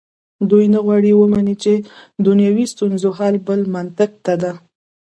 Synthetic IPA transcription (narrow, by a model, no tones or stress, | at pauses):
d̪ujnaɣwɑɽiwəmanit͡ʃed̪unjɑwist̪unzoɦɑlbəlmant̪ak̚t̪ad̪a